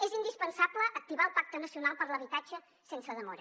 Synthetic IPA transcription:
ezind̪ispənsabləʔək̚t̪iβaəlˠpak̚t̪ənəsiunalˠpəɾləβ̞it̪ad͡ʒə | sensəðəmɔɾə

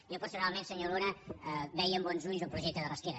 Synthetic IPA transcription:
jopəɾsunalˠmẽnsəɲoɾonəβɛjːmbɔnzuʎzəlˠpɾuʒɛk̚t̪əðələskɛɾə

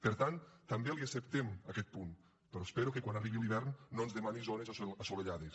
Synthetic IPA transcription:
peɾt̪ant̪ambeliasept̪emakɛt̪̚pun | pɾɔspeɾukekwanariβilˠiβ̞ɛɾnːonzðemanizonezasoleʎaðes

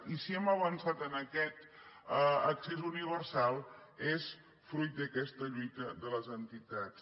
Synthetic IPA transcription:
isiɛməβənsat̪ənəkɛt̪əəksezuniβ̞ərsalˠes | fɾujt̪̚d̪əkɛst̪əʎujt̪əðələzənt̪it̪at͡s

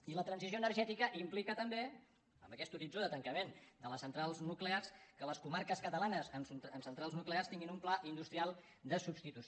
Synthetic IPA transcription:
ilət̪ɾənsizjoənərʒɛt̪ikəʔimplikət̪əmbe | ə̰mbəkɛst̪uɾid͡zoðət̪əŋkəmend̪ələsənt̪ɾalˠznuklearskələskumaɾkəskət̪əlanəzənəmsənt̪ɾalˠznuklearst̪iŋɡinumplaʔind̪ust̪ɾialˠ | d̪əsubst̪it̪us

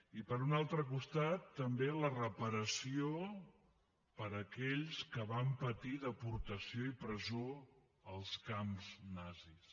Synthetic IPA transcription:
ipəɾunalˠt̪ɾək̬ust̪at̪ːəmbelərəpəɾəsio | pəɾəkɛʎskəβampət̪iðəpuɾt̪əsioipɾəzo | əlˠskamznazis

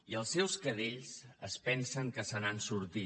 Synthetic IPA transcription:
iəlˠsːɛwskəðeʎzəspɛnsəŋkəsənansuɾt̪i

